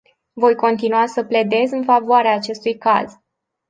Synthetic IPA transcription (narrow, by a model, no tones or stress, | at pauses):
vo̞jko̞nt̪inuasəple̞d̪e̞zɨnfavoaɾeaːt͡ʃe̞st̪ujka̰z